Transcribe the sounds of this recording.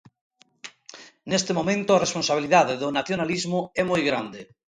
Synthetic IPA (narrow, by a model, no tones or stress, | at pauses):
nest̪emomẽnt̪ʊaresponsaβ̞iliðaðeðonaθjonalizmʊɛmojɣɾand̪e